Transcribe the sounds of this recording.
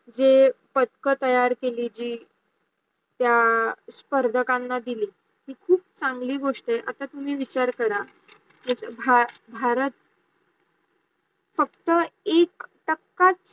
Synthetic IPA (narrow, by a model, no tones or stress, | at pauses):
d͡zepət̪kət̪əjaɾkelid͡ʑiː | t̪jaspəɾd̪ʱəkãnːad̪iliː | ɦiːkʰuːp̚t͡sãŋɡliːɡoʂʈeʔa̰t̪at̪um̤iːʋit͡ɕaɾkəɾa | məsəbʱabʱaɾət̪̚ | fəkt̪əekʈəkːat͡s